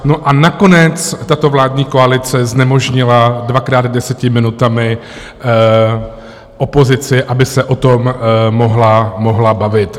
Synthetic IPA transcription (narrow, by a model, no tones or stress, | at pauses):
noʔanako̞nɛt͡st̪at̪o̞vlaːd̚ɲiːko̞alɪt͡sɛznɛmo̞ʒɲɪladvakɾaːd̪dɛsɛcɪmɪnut̪amɪ | ʔopo̞zɪt͡sɪʔabɪsɛʔo̞t̪ommo̞ɦlamo̞ɦlabavɪt̪